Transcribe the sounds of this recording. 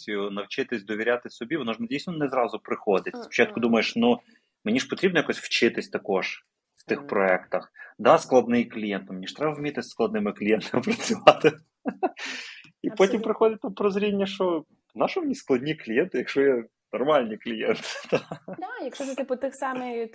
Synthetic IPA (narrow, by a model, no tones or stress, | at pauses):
t͡sʲijʊnɐwt͡ʃɪt̪ɪsʲd̪ɔʋʲiɾʲat̪ɪsɔbʲiʋɔnɔʒdʲijsʲnɔnɛzɾɑzʊpɾɪxɔd̪ɪtʲspɔ̥t͡ʃɑt̪̚kʊd̪umɐjeʃnu | menʲiʃpɔt̪ɾʲibnɔjakɔsʲw̥t͡ʃɪt̪ɪsʲt̪ɐkɔʒ | w̥t̪ɪxpɾɔɛkt̪ɐxd̪ɑsklˠɐd̪nɪjklʲijɛnt̪mnʲiʃt̪ɾɛbɐwmʲit̪ɪsklˠɐd̪nɪmɪklʲijɛnt̪ɐmɪpɾɐt͡sʲʊʋɑt̪ɪ | ipɔtʲimpɾɪxɔdʲɪt̚ʲt̪ampɾɔzɾʲinʲːɐʃt͡ʃɔ | nɑʃɪʋnʲisklˠɐd̪ʲnʲiklʲijɛnt̪ɪjɐkʃɔjɛ | nɔrmɑlʲnʲijklʲijɛnt̪ɪ̥d̪̥ɑd̪ajɐkʃɔt̪ɪt̪ɪpʊt̪ɪxsɑmɪj